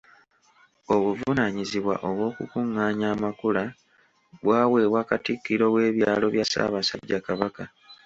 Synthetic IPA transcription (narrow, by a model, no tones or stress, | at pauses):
o̞βuvunaɲiziβwa̰ʔo̞βwo̞ːkukuŋːaːɲaːmakula | βwaːwe̞ːwakatikːiɾo̞we̞ːβjaːlo̞βjasa̰ːβasadɟakaβaka